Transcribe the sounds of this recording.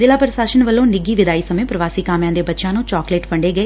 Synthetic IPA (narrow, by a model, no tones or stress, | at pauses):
d̪ɪlaːpəɾəʃaːʃənʋəlːõːnɪɡiːʋɪd̪aːiːsəmẽːpɾəʋaːsiːkaːmjãːd̪eːbətːʃãːnũːt͡ʃɔːkleːʈpəɳɖeːɡəeː